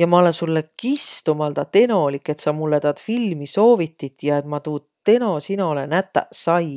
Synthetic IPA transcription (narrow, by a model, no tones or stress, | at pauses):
jɑmɑole̞nsulːekist̪umɑld̪ɑt̪e̞no̞likːˑe̞t̪sɑmulːet̪ɑt̪filmiso̞ːvit̪ːit̪jɑe̞t̪mɑt̪uːt̪t̪e̞no̞sino̞lenæt̪ːˑɑ̰sɑj